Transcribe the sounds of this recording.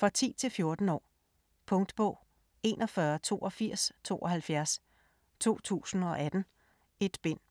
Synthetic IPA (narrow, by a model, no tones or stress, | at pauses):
fʁɒt͡sʰḭːt͡sʰe̝lfjo̝ɐd̥n̩ɒ̰ː | pʰɔ̽ŋd̥b̥ɔ̽ʊ̰ | e̝ːnʔɒ̽fɶɐt͡sʰo̝̰ːʔɒ̽fiɐ̰st͡sʰo̝̰ːʔɒ̽hælfjæɐs | t͡sʰo̝̰ːt͡sʰṵːsn̩ɒ̽ʔæd̥n̩ | e̝d̥b̥en̰